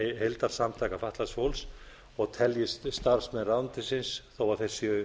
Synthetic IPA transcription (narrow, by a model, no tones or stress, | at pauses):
ɦejlt̪aɾ̥samt̪ʰajkafaht̪lasfowls | ɔɣt̪ʰɛljɪsst̪aɾ̥smɛnrawnt̪ɪsɪnsθowaθejɾ̥sʏ